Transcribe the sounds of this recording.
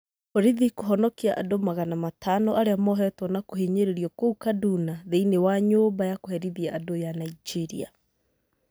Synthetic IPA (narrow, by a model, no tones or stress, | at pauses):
oɾiðikoɦɔnɔkiaʔa̰domaɣanamatʰanɔʔaɾeamɔɦɛtwɔnakoɦeɲeɾeɾiɔkoukadunaðeinewaɲoːmbajakohɛɾiðiaadojanaid͡ʒiɾḭa̰